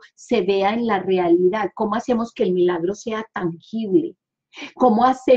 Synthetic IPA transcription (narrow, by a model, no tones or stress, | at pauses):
se̞βe̞aenlare̞aliðaðko̞moase̞mo̞ske̞ːlmilaɣɾo̞se̞at̪aŋxiβlḛ | ko̞moase